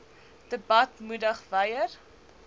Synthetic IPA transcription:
d̥əbɐtmudəχvɐjər

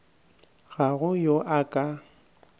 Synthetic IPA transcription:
ɣaɣʊjoʔakʼa

